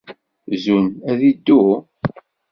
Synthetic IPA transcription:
zunæðid̪ːu

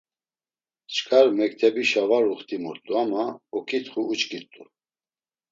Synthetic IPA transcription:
t͡ʃʰkʼaɾmɛk̚t̪ʰɛbiʃavaɾuχt̪ʰʼimɔɾt̪ʼuamaɔkʰit̪ʰχuːt͡ʃkʼit̪ʼṵ

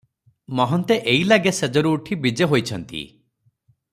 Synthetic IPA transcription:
mɔɦɔnt̪eʔeilaɡesed͡ʒɔɾuːʈʰibid͡ʒeɦojt͡ʃʰɔnt̪ḭ

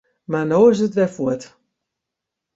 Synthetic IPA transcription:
manoːɪs̬ətʋɛfuət

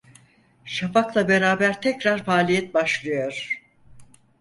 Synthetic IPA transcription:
ʃafaklˠabe̞ɾaːbæɾt̪ʰɛcɾaɾfaːlʲijɛt̪̚baʃlˠɯjo̞ɾ̥

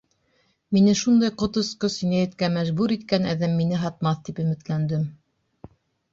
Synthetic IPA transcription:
minɘʃund̪ɑjqŏt̪ŏsqɤsĭnæjæt̪kæmæʒbuɾit̪kænæðæmːinɘɦɑt̪̚mɑθt̪ipɵ̆mɘ̆t̪lænd̪ɘm

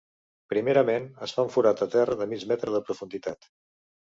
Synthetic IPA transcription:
pɾimeɾəmenəsfaɱfuɾat̪ət̪ɛrəðəmid͡ʒmɛt̪ɾəðəpɾufund̪it̪at̪

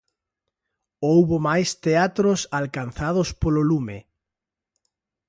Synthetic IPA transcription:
owβomajst̪eat̪ɾosalkanθað̞ospololume

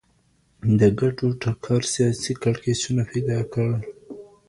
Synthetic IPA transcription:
d̪əɡaʈoʈakʰɑɾsijɑsikaɽkesunaped̪ɑkəɽ

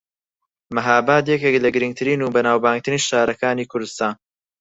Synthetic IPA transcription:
mɐɦaːbaːt̪jɛkeklɐɡɨɾɨŋɡ̚t̪ʰɨɾiːnuːbɐnaːwbaːŋɡ̚t̪ʰɨɾiːnʃaːɾɐkaːniːkʰʊɾd̪ɨst̪aːn

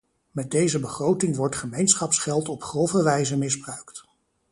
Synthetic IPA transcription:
mɛt̚dejzəbəχrowtɪŋʋɔɹtχəmejnsχɑpsχɛlˠtɔpχrɔfəʋɛjzəmɪzbrœɥkt

